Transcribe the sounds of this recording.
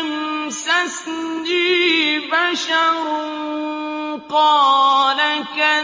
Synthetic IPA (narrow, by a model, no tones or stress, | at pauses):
msasndibaʃɑɾ | qɑːlaka